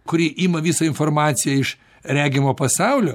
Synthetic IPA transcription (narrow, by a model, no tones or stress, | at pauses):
kʊɾʲiːʔiːmɐʋʲiːsɐɪnfoːrmɑːt̪sʲɪjɛɪʃ | ɾʲæːɡʲɪmoːpɐsɑʊlʲoː